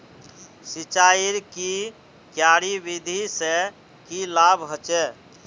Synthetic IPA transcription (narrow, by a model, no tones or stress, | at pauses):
sit͡ʃaiɾki | kjaɾibid̪ʱise | kilabʱɦət͡ʃɛ